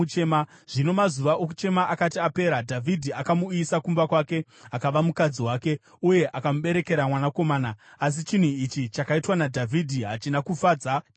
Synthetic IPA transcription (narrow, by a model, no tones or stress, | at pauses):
t͡ʃema | ʐ̥ino̞mazuʋaʔok̬u̥t͡ʃe̞maʔakatiape̞ːɾadʱavʱidʱiakamuiisakumbakwaːke̞ | akaʋamukad͡ziwaːke̞ | uje̞ʔakamuɓe̞ɾe̞ke̞ɾamwanako̞maːnaas̬it͡ʃin̤uit͡ʃit͡ʃakaitwanadʱavʱidʱiɦat͡ʃinakufaːd͡za